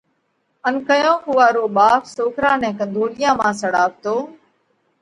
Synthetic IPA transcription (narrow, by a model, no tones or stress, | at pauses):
ənkəjõːɦʊʋaːɾoːɓaːfsoːkɾãːnɛ̃ːkə̃nd̪ʱoːlɪjãːmãːsəɽaːpt̪oː